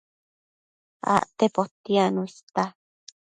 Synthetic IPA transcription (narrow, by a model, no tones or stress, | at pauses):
a̰ʔt̪epot̪ianũist̪a